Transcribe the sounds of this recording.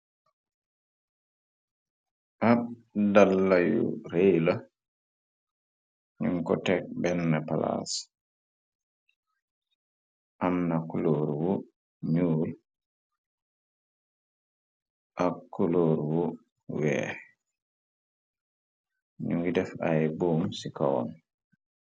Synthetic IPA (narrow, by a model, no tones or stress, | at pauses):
ʔadalːajṵɾejla | ɲuŋkɔtɛk̚bɛnːapala̰s | ʔanːakuloɾwu | ɲuːl | ʔakːuloɾwu | wɛ̰ːɾ | ɲuŋɡidɛfajbumsikawɔ̰n